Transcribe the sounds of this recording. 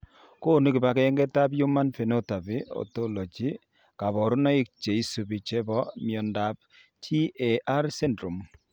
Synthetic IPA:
ko˦˨ni˦kɪ˨ba˨kɛ˦ŋɡɛ˦ta˦pju˦ma˦nfi˨no˦ta˨pi˨o̰˨to˦lo˨t͡ʃi˦ | ka˨βɔ˨ɾu˦nɔ˦ɪ˦k̚t͡ʃe˨i˦su˨bi˨t͡ʃɛ˦bɔ˦mjɔ˨nda˨p̚ | tʰi˦e˨a˦ɾsɛ˦ndɾu˨m

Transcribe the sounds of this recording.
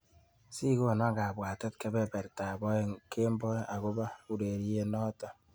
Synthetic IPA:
si˦ko˦˨na˦ɡa˨bwa˨te˦t̚ke˦bɛ˦bɛ˨ɾta˨bɔ˦kʰe˦m˦bɔ˦a˨ko˦ba˦u˦ɾe˨ɾje˦nɔ˦tɔ˨

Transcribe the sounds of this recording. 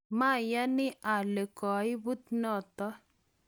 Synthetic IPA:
ma˦˨ja˦ni˦ʔa˨le˨kɔ˨jbu˦t̪nɔ˦˨t̪ɔ˦

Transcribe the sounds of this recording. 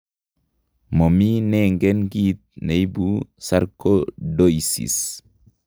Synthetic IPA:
mɔ˨mi˦nɛŋɡɛ˦nɡit̪̚ne˨i˦busa˦ɾkodoisḭ˨s

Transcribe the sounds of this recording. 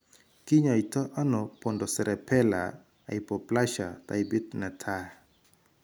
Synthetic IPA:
ki˦ɲa˨i˨tɔ˦ʔa˦nɔpo˨ndɔ˨sɛ˨ɾɛ˨pʰɛ˦la̰˨ | a̰˨i˨pɔ˨pla˦ʃa˨ta̰˨ibi˦t̪nɛ˨tʰa˦

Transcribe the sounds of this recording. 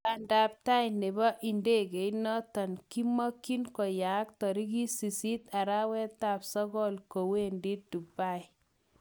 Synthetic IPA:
a˨nda˨p̚ta˦jne˨bɔ˦ʔi˨nde˦ke˨jnɔ˦tɔ˨nki˦mɔ˦kːi˦nkɔ˨ja˨˦k̚tɔ˨ɾi˦ki˦si˨si˦t̪a˨ɾa˦wɛ˦ta˨psɔ˦ɡɔ˦lko˨we˦ndi˦tdu˨ba˦˨j

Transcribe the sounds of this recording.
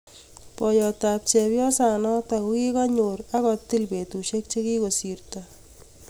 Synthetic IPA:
pɔ˨jɔta˨pt͡ʃɛpjɔ˦sa˨nɔ˦takuki˦kɔ˦ɲoɾa˦kɔ˨ti˦lpe˨tu˨ʃe˦k̚t͡ʃe˦ki˦ko˨sirta

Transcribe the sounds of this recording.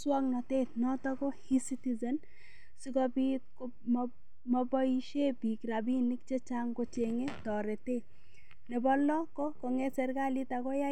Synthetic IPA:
swɔ˦knɔ˨te˦tnɔ˦tɔ˦ko˦hi˦si˦ti˦zɛ˨n | si˦kɔ˦bi˦ko | m | mɔ˦bɔ˦iʃe˦bi˨kɾa˨bi˦ni˦k̚t͡ʃe˦t͡ʃa˦ŋko˦t͡ʃe˨ŋe˦tɔ˨ɾe˨te˦ | nɛ˨bɔ˦lɔ˦kɔ˦kɔ˨ŋɛ˦sɛ˨ɾka˦li˦ta˨ko˦ja˦

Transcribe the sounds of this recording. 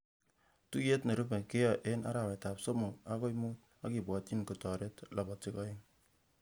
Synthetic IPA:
tu˦je˦tne˨ɾu˦pe˨ke˦jɔ˦˨ʔe˦na̰˦ɾa˨wɛ˨ta˨pso˦mo˨a˦ko˦i˦mu˦t̚ | a˦ki˨bwɔ˨ti˦nko˨tɔ˨ɾe˦tlʔa˨bɔ˨tɪ˦kɔ˦ɪ˦ŋ

